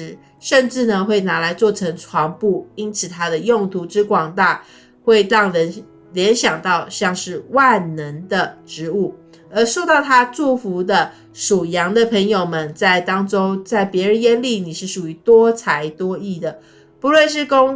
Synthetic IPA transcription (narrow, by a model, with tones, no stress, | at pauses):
ɻ̩˧˥ | ʂə˥˧nʈ͡ʂɻ̩˥˩nə˨xwe˥˩ɪna˧˥la˧˥ɪt͡swɔ˥˩ʈ͡ʂʰə˧˥ŋʈ͡ʂʰwɑ˧˥ŋpu˥˩i˥nt͡sʰɹ̩˨˩t̪ʰa˥d̪ə˨jʊ˥˩ŋt̪ʰu˧˥ʈ͡ʂɻ̩˥kwɑ˨˩ŋt̪a˥˩ | xwe˥˧ɪt̪ɑ˥˩ŋɻə˧˥n | ljɛ˧˥nɕjɑ˨˩ŋt̪ɑ˥˧ʊɕjɑ˥˧ŋʂɻ̩˥˩wa˥˩nnə˧˦˥nd̪ə˧ʈ͡ʂɻ̩˧˥u˥˩ | ə˧˥ʂo˥˧ʊt̪ɑ˥˩ʊt̪ʰa˥ʈ͡ʂu˥˩fu˧˥d̪ə˧ | ʂu˨˩jɑ˧˥ŋd̪ə˨pʰə˧˥ŋjo˨˩ʊmə˨˦nt͡sa˥˩ɪt̪ɑ˥ŋʈ͡ʂo˥ʊt͡sa˥˩ɪpjɛ˧˥ɻə˧˥njɛ˥nli˥˩ni˨˩ʂɻ̩˥˩ʂu˨˩y˧˥t̪wɔ˥t͡sʰa˧˥ɪt̪wɔ˥i˥˩d̪ə˩ | pu˧˥lwə˥˧nʂ̬ɻ̩˥˩ko˥ŋ